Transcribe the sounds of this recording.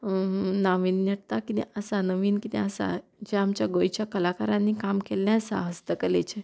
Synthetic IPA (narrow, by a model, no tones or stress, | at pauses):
naʋiːnneɽt̪akinḭʔəsanəʋiːnkit̪iəsa̰d͡ʑeamt͡ɕjaɡojt͡ɕjakəlakaɾãnːikamkelːãsa̰ɦəst̪əkəlet͡ɕʰe